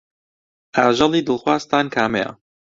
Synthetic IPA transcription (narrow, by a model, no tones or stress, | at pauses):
ʔaːʒɐlˠiːd̪ɨlˠxwaːst̪aːnkʰaːmejɐ̰